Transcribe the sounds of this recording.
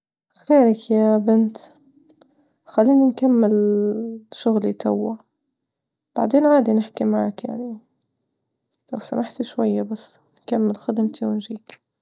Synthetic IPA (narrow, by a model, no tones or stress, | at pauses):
xeːɾɪkjabɪnt̪ | xalːiːninkamːɪl | ʃʊɣlit̪awːa | b̥aʕd̪eːnʕaːd̪inɪħkimaʕakja̰ʕni | lawsa̰mʔaħt̪iʃwajːabasː | nkamːɪlxad̪ɪmt̪ʰiwɪnʒiːk